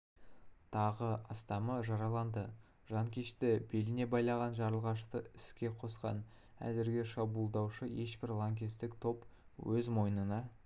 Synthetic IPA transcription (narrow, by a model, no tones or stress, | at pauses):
t̪ʰɑʁəɑst̪ɑməʒɑɾɑlˠɑnd̪ə | ʒ̥ɑŋkʲeʃt̪ɪbe̞lɪne̞bɑjlˠɑʁɑnʒɑɾəlˠʁɑʃ̬t̪əɪskʲe̞qʰo̞sqɑ̰n | æ̰zɪɾɡʲɪʃɑbulˠd̪ɑwʃəje̞ʃbɪɾlˠoŋɡʲist̪ɪkt̪ʰo̞p | wɵzmo̞jnənɑ